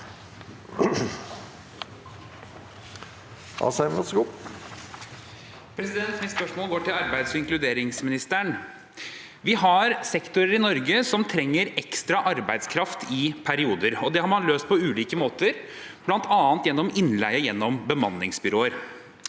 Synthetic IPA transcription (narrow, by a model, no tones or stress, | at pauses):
ɑ̰sæɪmɔsɡuː | pʰɾɛsɪd̪ɛnt̪mɪnspœʂmoːlɡoːʈɪlɑɾbæɪd̪sɪŋklʉd̪eːɾɪŋsmɪnɪst̪æɳ | ʋɪɦɑɾsɛkt̪ʊɾəɾɪnɔɾɡəsɔmt̪ʰɾɛŋːəɾɛkst̪ɾɑʔɑɾbæɪd̪skʰɾɑft̪ʰɪpʰæɾɪuːd̪əɾɔd̪ɛhɑɾmɑnløːst̪̚pʰɔʉːliːkəmoːt̪əɾ | b̥lɑnt̪ʰɑːnt̪jɛnːɔmɪnːlæɪəjɛnːɔmbəmɑnːɪŋsbʏɾoːəɾ